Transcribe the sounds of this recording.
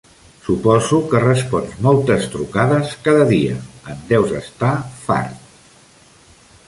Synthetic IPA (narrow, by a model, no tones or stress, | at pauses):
supɔzukərəspɔnzmɔlˠt̪əst̪ɾukaðəskaðəðiəənd̪ɛwzə̰st̪afa̰ɾt̪